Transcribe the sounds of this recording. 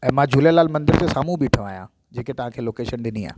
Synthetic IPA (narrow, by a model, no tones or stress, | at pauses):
ɛ̃ːmãd͡ʑʱuːljalaːlmɐ̃nd̪ɪɾsesaːmũbiʈʰɐʋaːjã | d͡ʑeːket̪ɐʋ̤ãkʰeːloːkeːʃənɗɪnia̰ː